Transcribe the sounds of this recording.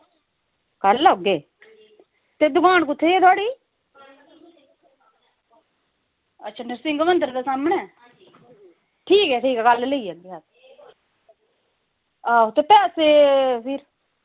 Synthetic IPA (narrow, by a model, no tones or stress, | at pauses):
kəlːoɡeː | t̪ed̪ʊkaːnkʊt̪ʰːeeːt̪ʰoaːɽiː | ətːʃʰaːnɪɾsɪ̃ŋɡmənt̪̬əɾəd̪eːsaːmənɛː | ʈʰiːkɛːʈʰiːkɛːkəlləiːɛɡ̪iɦat̪ | aːot̪eːpɛːseːpʰɪɾ